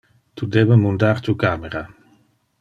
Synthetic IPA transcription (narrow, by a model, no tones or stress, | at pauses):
t̪ud̪eːbəmund̪aɾt̪ukameɾa